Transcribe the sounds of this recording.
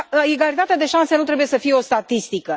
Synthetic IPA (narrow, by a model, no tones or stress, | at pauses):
eɡalit̪at̪ead̪e̞ʃanse̞nut̪ɾebuje̞səfije̞o̞st̪at̪ist̪ikə